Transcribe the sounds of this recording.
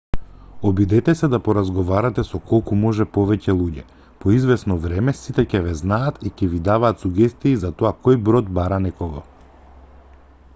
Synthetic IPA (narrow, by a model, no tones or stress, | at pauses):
ɔbid̪ɛt̪ɛsɛd̪apɔɾazɡɔvaɾat̪ɛsɔkɔlˠkumɔʒɛpɔvɛcɛlˠuɟɛ | pɔizvɛsnɔvɾɛmɛsit̪ɛcɛvɛznaːt̪icɛvid̪avaːt̪suɡɛst̪iːzat̪ɔakojbɾɔt̪baɾanɛkɔɡɔ